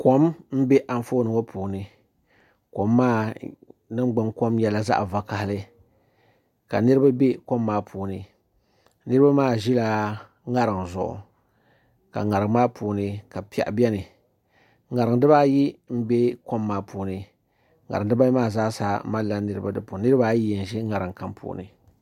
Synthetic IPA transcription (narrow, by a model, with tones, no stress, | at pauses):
ko˦mm̩˦be˦ʔa˨ɱ˦fo˦nɨ˨ŋo˦pʰuː˨nɨ˨ | ko˨mːaː˦ | nɨ˦m˦ɡ͡bɨ˦ŋko˦mjɛ˨la˨za̰˦ʔva˨ka˨hɪ˨lɨ˦ | ka̰˨nɨ˦ɾɨ˦ba˦be˦ko˦mːaː˦pʰuː˨nɨ˨ | nɨ˦ɾɨ˦ba˦maː˦˨ʒi˦la˨ | ŋa˦ɾɨ˨ŋzʊ˨ʔʊ̰˨ | ka̰˨ŋa˨ɾɨ˨ŋ˦maː˦pʰu˨nɨ˨ka˨pi˨a̰˨ʔbi˦ɛ˦nɨ˨ | ŋa˨ɾɨ˨ŋdɨ˦ba˦ji˦m̩˦be˦ko˦mːaː˦pʰuː˨nɨ˨ | ŋa̰˨ɾɨ˨ŋ˦dɨ˦ba˦i˦maː˦˨za˦saː˨˦ma˦la˦nɨ˨ɾɨ˦ba˦dɨ˦pu˨˦nɨ˦ɾɨ˦ba˦ji˦˨n̩˨ʒi˦ŋa˨ɾɨ˨ŋ˨ka˦mpʰṵː˨nɨ̰˨